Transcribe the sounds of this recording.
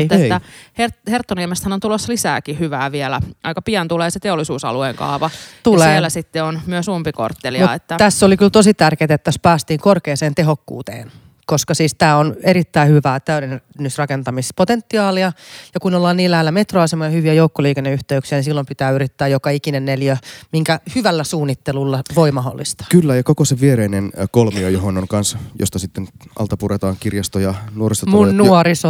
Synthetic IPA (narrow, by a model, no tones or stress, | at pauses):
eːæherhert̪ːoniemest̪hænont̪uloslisæ̰ːkihyʋæːʋielæ̰ɑikɑpiɑnt̪uleːset̪eolːˑisuːsɑ̰lueːŋkɑ̰ːʋɑt̪uleːelːæsit̪ːeonmyøsumpiko̰rt̪ːelioɑ̰et̪ːæt̪æsːolikylt̪osit̪ærkeːt̪et̪ːæspæːst̪iːŋkorkeːseːnt̪eɦokːṵːt̪ḛːn | koskɑsiːst̪æːoneɾit̪ːæihyʋæːt̪æyɾennːysrɑkent̪ɑmispot̪ent̪ːiɑːliɑjɑkunolːɑːniːlæhelːæmet̪roɑsemojɑhyʋiæjoukːoliːkenːeyht̪eyksiænisilːompit̪æːyɾit̪ːæːjokɑikinenːeljømiŋkæhyʋælːæsuːnːit̪ːelulːɑʋoimɑɦo̰lːist̪ɑ̥kylːæjɑkokoseʋʋieɾeinenkolmiojoɦonoŋkɑnsjo̰st̪ɑsit̪ːenʔɑ̰lt̪ɑpuret̪ɑːŋkirjɑst̪ojɑnuorist̪omunnuoɾiso